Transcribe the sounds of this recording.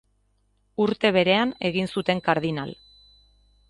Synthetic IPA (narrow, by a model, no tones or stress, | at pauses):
uɾt̪e̞β̞e̞ɾe̞ane̞ɣinsut̪e̞ŋkaɾðina̰l